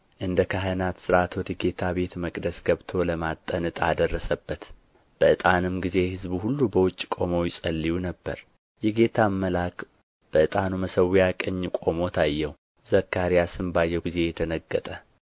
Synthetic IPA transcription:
ʔɨnd̪əkʰaɦənat̪sɨɾat̪wɔd̪əɡe̞t̪ʰaβe̞t̪məkʼd̪əsɡəβt̪ʰo̞ləmat̪ʼːənɨt̪ʼad̪ərːəsəbːət̪ | b̥əʔɨt̪ʼanɨmɡize̞hɨzbuhulːubəwʊt͡ʃʼːkʼo̞mo̞jɪsʼəlːijunəbːə̰ɾ | jɛɡe̞t̪ʰamːəlak | b̥əʔɨt̪ʼanuməsəwijakʼəɲːkʼo̞mo̞t̪ʰajːɛw | z̥əkːaɾijasɨmbajːɛɡize̞jɛt̪ʰənəɡːət̪ʼə

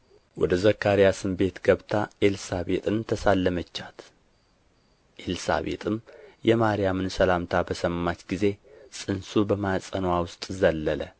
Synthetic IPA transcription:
wɔ̰d̪əzəkːaɾijasɨmbe̞t̪ɡəβt̪ʰaʔe̞lsabe̞t̪ʼɨnt̪ʰəsalːəmət͡ʃːat̪ | ʔelsa̰βe̞̰t̪ʼɨmjɛmaɾijamɨnsəlamt̪ʰabəsəmːat͡ʃ̪ɡize̞sʼɨnsubəmasʼənowawʊst̪ʼzəlːələ

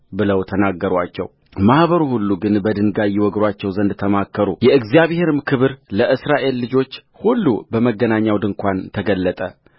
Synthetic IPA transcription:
bɨləwt̪ʰənaɡːəɾwat͡ʃːɛ̰w | mahβəɾuhulːuɡɨnbəd̪ɨnɡajiwɔɡɾwat͡ʃːɛwzənd̪t̪ʰːəmakːəɾujɛɨɡzijaβhe̞ɾɨmkʰɨβɨɾləʔɨsɾaʔe̞lːɨd͡ʒo̞t͡ʃː | hulːṵbəməɡːənaɲːawd̪ɨŋkʷant̪ʰəɡəlːət̪ʼə

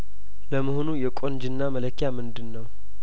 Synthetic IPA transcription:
ləməɦonujɛkʼo̞nd͡ʒɨnːamələkʰːjamɨnd̪ɨnːəw

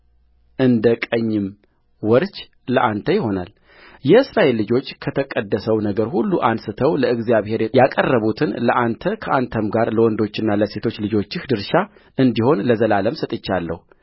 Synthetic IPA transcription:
ʔɨnd̪əkʼəɲːɪm | wɔɾt͡ʃ | ləʔant̪ʰəjɪho̞na̰l | jɛɨsɾaʔe̞lːɨd͡ʒo̞t͡ʃːkʰət̪ʰəkʼəd̪ːəsəwnəɡəɾhulːuʔansɨt̪ʰəwləɨɡzijaβhe̞ɾjakʼərːəβut̪ʰɨnləʔant̪ʰəkʰəʔant̪ʰəmɡaɾləwɔnd̪o̞t͡ʃːɪnːaləse̞t̪ʰo̞t͡ʃːlɨd͡ʒo̞t͡ʃːɪhd̪ɨɾʃa | ʔɨnd̪iho̞nləzəlaləmsət̪ʼɨt͡ʃːalːə̰hu

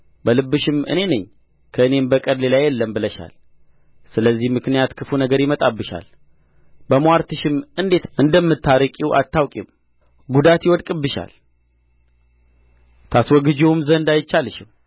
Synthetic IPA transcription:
bəlɨbːɨʃɪmɨ̰ne̞nɨɲː | kʰəɨne̞mbəkʼəɾlelajɛlːəmbɨləʃa̰l | sɨləzːihmɨknijat̪kʰɨfunəɡəɾjɪmət̪ʼabːɨʃa̰l | bəmaɾt̪ʰɨʃɪmɨnd̪e̞t̪ʔɨnd̪əmːɨt̪ʰːaɾɨkʼiwʔa̰t̪ːawkʼim | ɡud̪at̪jɪwɔd̪kʼɨbːɨʃa̰l | t̪ʰaswɔɡɨd͡ʒewmzənd̪ajɪt͡ʃːalɨʃɪm

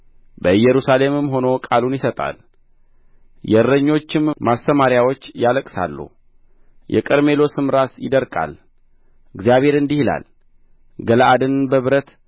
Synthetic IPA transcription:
bəɨjːɛɾusale̞mɨmɦo̞no̞kʼalunjɪsət̪ʼa̰l | jɛɾːəɲːo̞t͡ʃːɪmmast̪əmaɾjawo̞t͡ʃːjaləkʼsa̰lːṵ | jʔɛ̰kʼəɾme̞lo̞sɨmɾasjɪ̰d̪əɾkʼa̰l | ɨɡzijaβhe̞ɾɨnd̪ihila̰l | ɡəlʔad̪ɨnbəβɾət̪

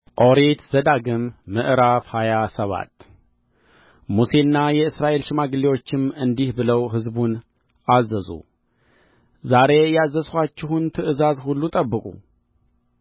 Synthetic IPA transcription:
ʔo̞ɾet̪z̥əd̪aɡɨmːɨʔɨɾafhajasəβa̰t̪ | muse̞nːajɛɨsɾaʔe̞lʃɪmaɡɨliwo̞t͡ʃːɪmɨnd̪ihbɨləwɦɨzbun | ʔazəzṵ | zaɾe̞jɛazːəskʷat͡ʃːɪhunt̪ʰɨʔɨzazhulːut̪ʼəbːɨkʼṵ

